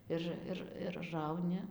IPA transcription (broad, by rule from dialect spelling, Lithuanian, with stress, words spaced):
ˈɪr ˈɪr ɪr ˈrɐʊnʲɪ